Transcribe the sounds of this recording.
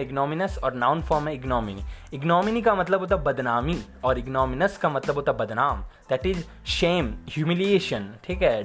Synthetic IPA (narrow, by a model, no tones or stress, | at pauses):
ɪɡnɔːmɪnəsɔːɾnãʊnfɔːɾmɛɪɡnɔːmɪniɪɡnɔːmɪnikamɐt̪ləboːt̪abbɐd̪naːmi | ɔːɾɪɡnɔːmɪnəskamɐt̪ləboːt̪abɐd̪naːmd̪̥ɛʈɪz | ʃẽːmhjuːmɪlieːʃə̃nʈʰiːkɦɛ